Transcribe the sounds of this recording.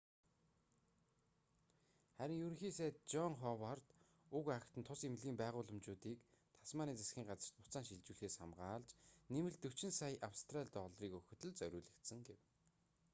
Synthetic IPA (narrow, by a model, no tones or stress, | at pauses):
χæɾʲɪ̆ŋjuɾɵ̆ŋxiːseːtt͡ɕɔŋχɔwart̪ | ʊkakʰt̪ʰə̆nt̪ʰʊsemɮiːmpæːʁʊːɮə̆mt͡ɕʊːt̪iːkt̪ʰḁsmaːniːt͡sʰasxʲiːŋɢat͡sə̆r̥t̪̚pʊt͡saːnʃiɮt͡ɕuːɮxeːsχamɢaːɮt͡ɕnemɘ̆ɮt̪ɵwʰt͡ɕɪ̆nsajʔawst̪ʰraɮʲt̪ɔɮriːkɵxɵ̆t̪ɵ̆ɮt͡sœɾʲʊːɮɘ̆kt̪sɘ̆ŋɡew